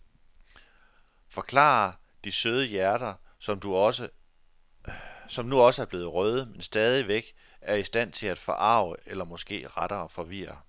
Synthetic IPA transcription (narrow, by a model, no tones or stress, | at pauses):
fɒ̽kʰlɑ̰̈ | d̥isøð̞ˠəjæɐɾ̥ɐ̥ | sɒ̽mnuɒ̽səæɐb̥e̝ːð̩ˠʁœð̞ˠəmensd̥ɛːð̞ˠiʋeɡ̥ | æɐisd̥æn̰t͡sʰe̝læd̥fɒ̽ʔɑ̈ʊ̰əelɐmɒ̽sɡ̥e̝̰ːʁɑɾ̥ɐfɒ̽ʋḭːɐ